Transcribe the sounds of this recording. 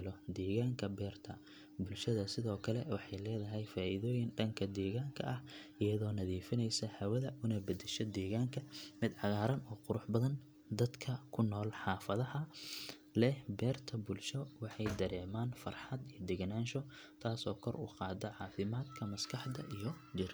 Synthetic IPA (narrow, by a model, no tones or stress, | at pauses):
lɔd̪ɛːɣaːŋkʰɐbɛːrt̪ʰɐ | bʊlʃɐðɐsɪðɔːkʰɐlɛwɑħɑjlɛːðɐɦɛjfaːʔiðɔːjɪnɖɐŋkʰɐd̪ɛːɣaːŋkʰɐ̰ʔɐhʔɪjɐðɔːnɐðiːfɪnɛjsɐhɐwɐðɐʔʊnɐbɐd̪ɛʃɐd̪ɛːɣaːŋkʰɐmɪd̪ʕɑɣaːɾɐnɔːqʊɾʊħbɐðɐn | d̪ɐd̪kʰɐkʰʊnːɔːlħɑːfɐðɐhɐ | lɛhbɛːrt̪ʰɐbʊlʃɔwɑħɑjd̪ɐɾɛːmaːnfɐrħɑd̪ijɐd̪ɛɡnaːnʃɔ | t̪ʰaːsɔːkʰɔrʊ̰qɑːd̪ɐʕɑːfɪmaːd̪kʰɐmɐskʰɑħd̪ɐ̰ʔijɔ | d͡ʒɪr